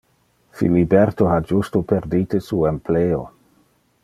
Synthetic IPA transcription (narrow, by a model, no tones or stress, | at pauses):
fḭlibeɾt̪oɦad͡ʒust̪opeɾd̪it̪esuempleːo